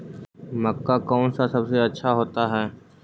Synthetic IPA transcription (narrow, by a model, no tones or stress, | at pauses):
mɐkːakɔːnsasɐbseɐtːʃʰaɦoːt̪aɦɛː